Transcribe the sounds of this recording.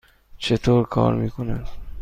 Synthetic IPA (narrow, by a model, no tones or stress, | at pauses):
t͡ʃʰet̪ʰoːɾkʰɔ̰ːɾmiːkʰonas